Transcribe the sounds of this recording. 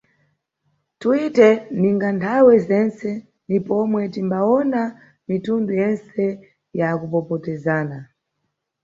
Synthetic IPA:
tuitɛniŋɡantʰawɛzɛnt͡sɛ | ndipɔmwɛtimbaɔna | mitundujɛnsɛ | jakupɔpɔtɛzaːna

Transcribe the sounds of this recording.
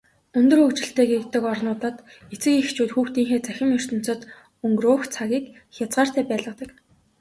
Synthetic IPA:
ɵnt̪ɵ̆rɵkt͡ɕɪ̆ɬt̪eːɡekt̪ə̆kɔrnʊːt̪ə̆t̪ | et͡sɘ̆kixt͡ɕʰuːt̪xuːxt̪iːŋxeːt͡sæxʲɪ̆mjʊr̥t̪ɵ̆m̥t͡sə̆t̪ | ɵŋɡɵrʊːxt͡sʰaɣʲiːk | xʲjat͡sɢaːr̥t̪æːpæːɮə̆t̪ə̆k

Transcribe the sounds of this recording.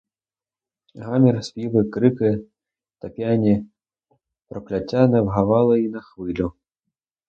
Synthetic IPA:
ɣamʲirsʲpʲivɨkɾɨkɨ | t̪apʲjanʲi | pɾɐplʲat͡sʲanɐwɣavalˠɐinɐxvɨlʲu

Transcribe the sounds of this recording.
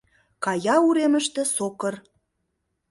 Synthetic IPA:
kɑjɑuɾemə̆ʃt̪ĕsokə̆r

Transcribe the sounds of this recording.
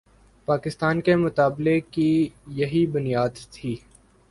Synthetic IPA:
paːkɪst̪aːnkemʊt̪aːblekijɐɦibʊnijaːd̪t̪ʰiː

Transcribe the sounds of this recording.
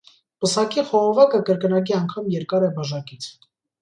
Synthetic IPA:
pəsɑkiχɔʁɔvɑkəkəɾkənɑk̬iɑŋkʰɑmjɛɾkɑɾɛbɑʒɑkit͡sʰ

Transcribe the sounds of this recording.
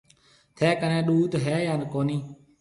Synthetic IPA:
t̪ʰeːkənẽːɗuːt̪ɦɛːjãːnkoːniː

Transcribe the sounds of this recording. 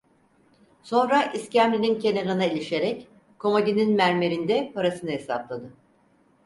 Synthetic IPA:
so̞nɾaʔiscæmlʲinʲincʰe̞neɾanaelʲiʃe̞ɾɛc | kʰo̞maɟ̪ininmæɾme̞ɾind̪ɛpʰaɾasɯnaɦe̞saplˠad̪ɯ

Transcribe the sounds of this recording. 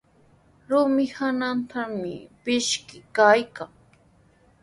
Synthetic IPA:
ɾʊmɪhanant̪amɪ̰pɪʃkɪkajkaŋ

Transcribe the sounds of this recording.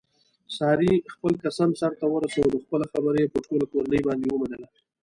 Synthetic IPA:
sahɾixpəlkasɑnsaɾt̪awəɾasawəd̪əxpəlaxabəɾjepəɾʈolakoɾanəjbɑnd̪ewəmanəla

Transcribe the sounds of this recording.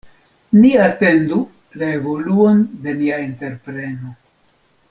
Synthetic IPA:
niate̞ndu | laevo̞luo̞nde̞niainte̞ɾpɾe̞no

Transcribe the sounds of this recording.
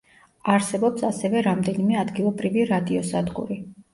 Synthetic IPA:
aɾsɛbɔpsasɛvɛɾamd̪ɛnimɛad̪ɡilˠɔbɾiviɾad̪iɔsad̪ʁṵɾi

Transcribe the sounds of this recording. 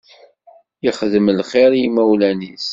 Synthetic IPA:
jəχðəmlχɪɾjimæwlænis

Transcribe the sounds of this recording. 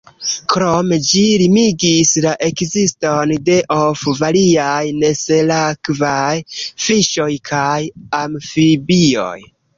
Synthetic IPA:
kɾomed͡ʒilimiɡislaʔe̞kzistonde̞ʔofvaliajne̞selakvajfiʃo̞jkʰajamfibio̞̰j

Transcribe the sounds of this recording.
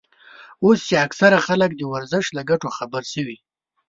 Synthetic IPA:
ost͡ʃeaksaɾaxalək̚d̪əwaɾzəʃlaɡaʈoxabəɾsəwi

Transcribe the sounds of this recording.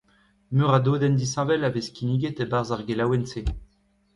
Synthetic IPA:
møʁad̪od̪ɛnd̪isɛ̃vɛlaveskʲiniɡet̪ebaʁzaʁɡelawɛnse

